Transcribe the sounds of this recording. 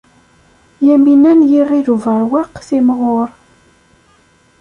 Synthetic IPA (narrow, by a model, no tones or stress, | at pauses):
jæminænjiʁiðuvəʕwaqːθimʁoɾ